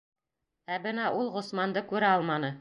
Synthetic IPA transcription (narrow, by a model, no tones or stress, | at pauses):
æbɤnɑʔulˠʁŏsmɑnd̪ɤkʉɾæɑlˠmɑnɤ